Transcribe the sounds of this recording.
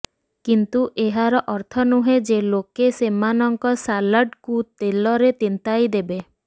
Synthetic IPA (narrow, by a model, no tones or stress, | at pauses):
kint̪uʔeɦaɾɔʔɔɾt̪ʰɔnuɦed͡ʒelokesemanɔŋkɔsalaɖkut̪elɔɾet̪int̪ajd̪ebe